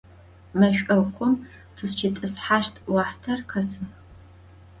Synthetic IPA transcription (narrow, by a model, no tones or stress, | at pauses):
mɐɕᶣʷʔɐkʷʰʼɔm | tʰɨst͡ʃʰɪtʼɨsħaːʃtʰwɑːħtʰɐrqʰɐsɨ